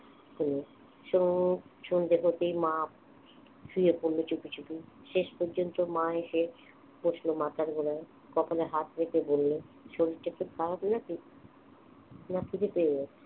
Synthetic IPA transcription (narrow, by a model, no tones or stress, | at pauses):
kuni | ʃoʃund̪ekʰot̪ejmã | fiepoɾlot͡ɕupit͡ɕupi | ʃeʃpɔɾd͡ʑont̪omãeʃe | boʃlomat̪ʰaɾɡoɾae | kɔpaleɦat̪ɾekebolːeʃoɾiʈːat̪ːot̪atnai | nak̪ʰit̪epeeɡɛ